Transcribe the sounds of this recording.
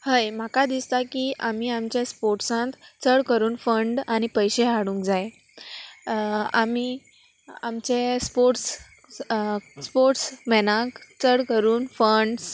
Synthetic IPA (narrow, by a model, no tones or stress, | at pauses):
həjm̤akad̪ist̪akiːʔam̤iːamt͡ɕespoɾʈsãnt̪t͡səɽkəɾuːnfəɳɖañipəjɕeɦaɽũːŋkd͡zaje | a̰miː | amt͡ɕespoɾʈs | spoɾʈsmɛnãkt͡səɽkəɾuːnfəɳɖs